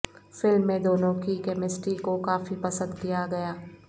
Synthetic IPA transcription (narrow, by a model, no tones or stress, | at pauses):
fɪlmːẽd̪oːnõkikɛːmɪsʈikokaːfipɐsə̃nd̪kijaɡɐjaː